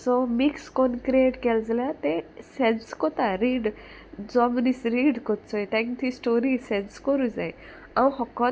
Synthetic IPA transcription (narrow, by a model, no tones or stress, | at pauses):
sɔmikskɔnkɾeʈkɛld͡zljat̪esenskɔt̪aɾiːɖ | d͡zɔmnisɾiːɖkɔt̪t͡sɔet̪ãkt̪ʰisʈoɾisɛ̃nskɔɾud͡zaj | ãwɦɔkɔ